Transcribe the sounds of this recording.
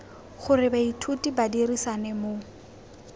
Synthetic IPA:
χʊrɪbaitʰutʼibadirisanɛmo

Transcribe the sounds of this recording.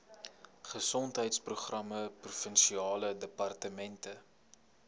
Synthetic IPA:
χəsɔntɦəjtspruχrɐməprufənʃiɑːlədəpɐrtəmɛntə

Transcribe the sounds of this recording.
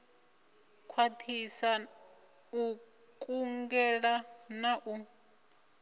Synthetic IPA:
kʰwatʰisa | u | kʼuŋɡɛɺanaʔu

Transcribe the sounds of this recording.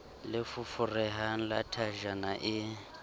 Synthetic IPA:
lɪfʊfʊrɛɦan̩latʰaʒanaʔɪ

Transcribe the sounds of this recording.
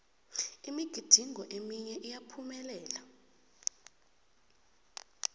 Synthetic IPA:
imiɡ̥ʱid̥ʱiŋʱɔʔemiɲɛʔijapʰumɛlɛːla

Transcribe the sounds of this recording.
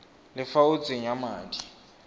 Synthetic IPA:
lɪfaud͡zʱiɲamaːndʱʼi

